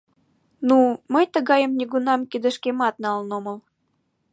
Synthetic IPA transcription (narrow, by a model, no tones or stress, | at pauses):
numəjt̪əɣɑjəmnʲiɣunɑmkid̪ə̆ʃkemɑt̪nɑlnoməl